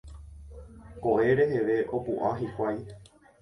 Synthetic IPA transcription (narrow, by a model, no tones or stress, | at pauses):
koʔe̞ɾe̞ɦe̞ʋe̞ʔo̞puʔaɦikʷaj